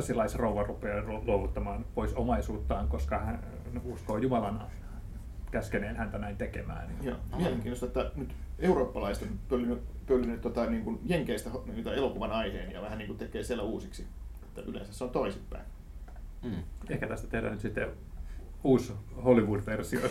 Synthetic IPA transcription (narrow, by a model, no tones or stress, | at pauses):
silːɑisrouʋɑrupˑeːluoʋut̪ːɑmɑːnpoisomɑisuːt̪ːɑːŋkoskɑhæn | uskoːjumɑlɑn | kæskeneːnhænt̪ænæint̪ekḛmæ̰ːnnijo̰ːmieleŋkiːnːˑost̪ɑet̪ːænyt̪euroːpːɑlɑist̪opølːynypølːynːyt̪ːot̪ɑniːŋkunjeŋkeist̪æhniit̪ɑelokuʋɑnɑihḛːnjɑ̰ʋæhæniːŋkut̪ekˑeːsielːæuːsiksie̥t̪ːæʔylḛːnsæsːeont̪oisipːæ̰in | ehkæt̪æst̪æ̥t̪ehdæ̰nyt̪sit̪ːe | uːsholiʋuːdʋersio̰